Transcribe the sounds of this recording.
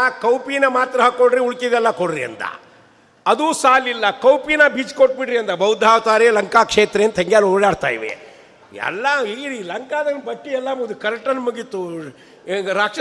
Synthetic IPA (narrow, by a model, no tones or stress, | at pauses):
akɐwpinɐmaːt̪ɾɐɦakːoɽɾiuɭkid̪ɛlːɐkoɽɾiɐ̰nt̪ɐ̰ | ɐd̪uːsaːlilːɐkɐwpinɐbiːt͡ʃkoʈ̚biɽɾiɐnt̪ɐbɐwd̪ʱaːwt̪aːɾelɐŋkaːkʂeːt̪ɾeeːnt̪ʰɐŋɡjaːloːɽaːɽt̪a̰ːjʋḛ | ɛ̰lːaiɾilɐŋkaːd̪ɐnbɐkːiɛlːamud̪ukɐɾɐʈːɐnmuɡit̪ːu | ɾaːkʂɐ